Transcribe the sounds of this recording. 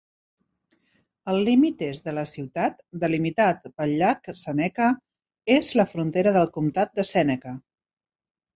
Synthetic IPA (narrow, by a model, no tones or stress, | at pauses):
əlˠlimit̪ezðələsiwt̪at̪d̪əlimit̪at̪bəʎaksənɛkə | ezləfɾunt̪eɾəðəlˠkumt̪at̪̚d̪əsɛnəkə